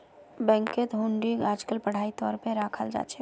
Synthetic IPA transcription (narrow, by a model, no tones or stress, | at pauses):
bɛ̃ːŋket̪ɦũɳɖiaːd͡ʒkəlpɐɽ̤aːit̪ɔːɾpeɾaːkʰəld͡ʒa̰ːt͡ʃʰe